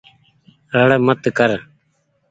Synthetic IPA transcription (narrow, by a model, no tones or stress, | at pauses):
ɾəɽmət̪kəɾ